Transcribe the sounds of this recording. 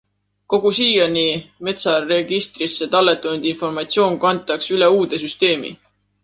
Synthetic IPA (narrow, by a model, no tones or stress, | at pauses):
ko̞ɡ̥usiːjɑnime̞t̪sɑreɡ̥ist̪ɾisːe̞t̪ɑlːe̞t̪ːˑund̪̥info̞rmɑt̪sio̞ːnkɑnt̪ːˑɑksyle̞uːd̪̥e̞syst̪e̞ːmḭ